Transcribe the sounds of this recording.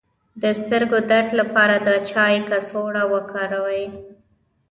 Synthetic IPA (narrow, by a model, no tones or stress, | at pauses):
d̪əst̪əɾɡod̪at̪lapɑɾad̪ət͡ʃɑjkasoɽawəkʰɑɾawaj